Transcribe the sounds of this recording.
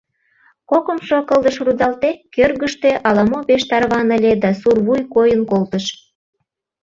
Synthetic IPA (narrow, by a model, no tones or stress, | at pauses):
kokəmʃokəld̪əʃrud̪ɑlt̪ekørɣəʃt̪eʔɑlɑmopeʃt̪ɑrβɑnə̆lʲed̪ɑsurβujkojənkolt̪əʃ